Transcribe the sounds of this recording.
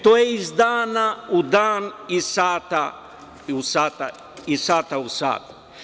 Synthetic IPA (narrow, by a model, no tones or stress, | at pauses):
t̪ojeizd̪aːnaud̪aːnisaːt̪a | usaːt̪a̰ | isaːt̪ausa̰ːt̪